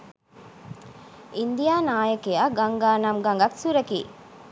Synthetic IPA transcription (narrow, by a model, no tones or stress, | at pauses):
ind̪ijaːnaːjɐkejaɡɐŋɡaːnamɡɐŋɡɐksuɾɐkḭː